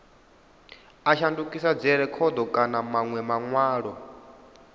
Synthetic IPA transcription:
aʃandukʼisad͡zɛɾɛkʰɔd̪ɔkʼanamaŋwɛmaŋwaːɺɔ

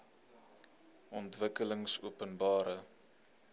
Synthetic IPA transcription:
ʔɔntvəkələŋsuəpənbɑːɾə

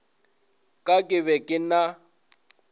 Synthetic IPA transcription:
kʼakʼɪβɛkʼɪna

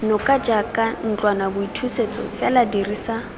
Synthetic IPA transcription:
nɔkʼad͡ʒakʼan̩t͡ɬʼwanabʊitʰuset͡sʼɔ̰fɛladirisa

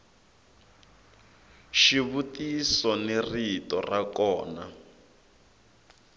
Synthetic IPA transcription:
ʃiβutisɔneritɔ̰rakɔːna

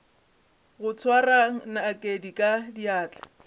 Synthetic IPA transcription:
ɣʊt͡sʰwaraŋ̩naːkʼedikʼadiaːt͡ɬʼḁ

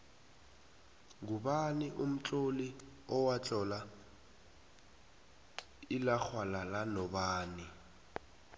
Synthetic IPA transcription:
ɡuɓaniʔum̩t͡ɬʼoli | ɔwat͡ɬʼɔla | ilak͡xʰwalalanɔɓaːni

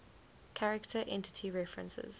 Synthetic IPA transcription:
kʰaɹɪktʰəʔɛ̃ntʰɪ̥tʰiɹɛfɹə̰̃nsɪ̰z̥

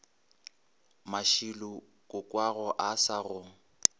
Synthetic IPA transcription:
maʃilʊ | kʼʊkʼwaɣɔʔasarʊŋ̩

